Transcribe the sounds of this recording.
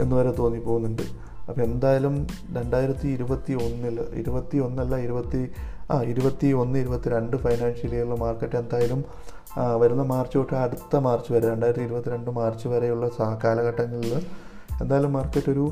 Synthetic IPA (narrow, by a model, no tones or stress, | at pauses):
e̞̰nːɨuʋɐɾet̪o̞ːnːipːo̞ːɣunːuɳɖɨ̰ | ɐpːoːe̞nd̪aːjɐlum | ɾe̞ɳɖaːjiɾɐt̪ːiːɾubɐt̪ːio̞nːilḭɾubɐt̪ːionːɐlːaiɾubɐt̪ːiaːiɾubɐt̪ːio̞nːɨiɾubɐt̪ːiɾeɳɖɨfɐjnaːnʂɐlejuɭːɐmaːrkːɐʈːe̞nd̪aːjɐlum | ʋɐɾunːɐmaːrt͡ɕːupoʈːɨɐɽut̪ːɐmaːrt͡ɕːɨʋɐɾeɾe̞ɳɖaːjɾɐt̪ːiɾubɐt̪ːiɾe̞ɳɖɨmaːrt͡ɕːɨʋɐɾejuɭːɐsaːkːaːlɐɣɐʈːɐŋːɐɭil | e̞nd̪aːjɐlumːaːrkːɐʈːo̞ɾu